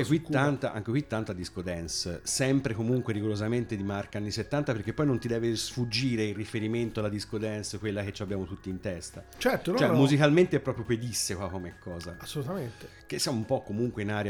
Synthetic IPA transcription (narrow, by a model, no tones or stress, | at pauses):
ekwit̪ːant̪aʔa̰ŋk̟ekwit̪ːant̪ad̪iskod̪ɛnsːɛmpɾekomuŋkweɾiɡolozament̪ed̪imarkaanːiset̪ːant̪apeɾk̟epːɔjnõnt̪id̪ɛːvesfud͡ʒːiːɾeirifeɾiment̪oalːad̪iskod̪ɛnskwelːak̟et͡ʃːabjaːmot̪ut̪ːiːnt̪ɛst̪at͡ʃɛrt̪ont͡ʃoɛmuzikalment̪epːɾɔːpɾjoped̪isːekwakomɛkʰːɔːzaasːolut̪ament̪e | k̟esːijamoumpɔkːomuŋkweinaːɾja